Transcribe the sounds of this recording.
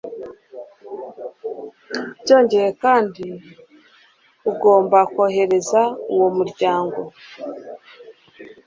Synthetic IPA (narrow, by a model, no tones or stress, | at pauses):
ɟo̞ːɲɟe̞je̞kaːndi | uɡo̞ːmbakoɦe̞ɾe̞zauwomuɾɟaːŋɡo̞